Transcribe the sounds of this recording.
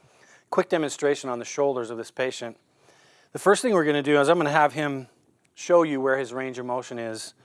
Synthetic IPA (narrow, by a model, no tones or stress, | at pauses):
kʰw̥ɪk̚d̥ɛmɨ̃nstɹ̥eɪʃɨ̃nə̃nðɨʃoʊlˠdə˞zʌvðɪspʰeɪʃɨ̃nt | ðɨfɜ˞st̪θɪ̃ŋwɨɹɡʌnɨdɨɪzaɪ̃mɡʌ̃nɨəv̥ɪ̃m | ʃoʊjɨwə˞ɨzɹẽɪ̃nd͡ʒəmoʊʃɨ̃nɪz̥